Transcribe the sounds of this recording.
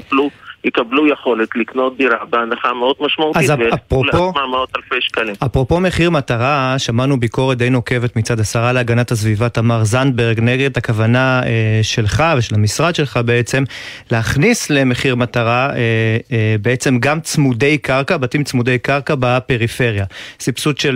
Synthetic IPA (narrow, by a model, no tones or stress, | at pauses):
blujikablujeχo̞let̪likno̞t̚d̪iɾabeanaχameod̪maʃmautaizapʁoomamaot̪alfejʃkalimapʁo̞po̞me̞χiʁmat̪aʁaʃamanubiko̞ʁet̚d̪ejno̞ke̞vet̪mit͡sad̪asaʁaleaɡanatas̬vivat̪amaʁzandbeʁɡneɡed̪̚takavanaeʃe̞lχaveʃelamisʁad̪ʃe̞lχabeet͡se̞m | leaχnisleme̞χiʁmataʁaebeet͡se̞mɡamt͡smudejkaʁkabatimt͡smud̪ejkaʁkabape̞ʁife̞ʁjasipsut̪ʃel